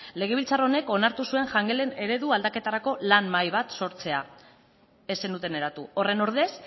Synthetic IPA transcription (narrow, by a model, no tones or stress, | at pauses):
le̞ɣ̞e̞β̞ilt͡saro̞ne̞ko̞naɾt̪usue̞ŋʝaŋɡe̞lene̞ɾe̞ðuald̪ake̞t̪aɾako̞lanmajβ̞at̪so̞ɾt͡se̞a | e̞senut̪e̞ne̞ɾat̪uo̞re̞no̞ɾð̞e̞s